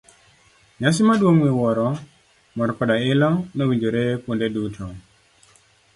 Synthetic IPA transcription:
ɲasimadwomwiwɔɾɔ | mɔɾɔkɔdaɪlɔnowiɲd͡ʒoɾepondedutʰɔ

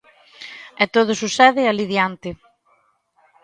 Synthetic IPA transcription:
ɛt̪oð̞ʊsusɛðɪaliðjant̪ɪ

